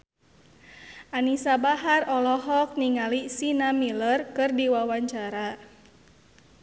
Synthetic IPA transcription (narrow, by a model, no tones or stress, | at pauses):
ʔanisabaɦarɔlɔɦɔk̚niŋalisinamilərkɨrdiwawaɲt͡ʃaɾa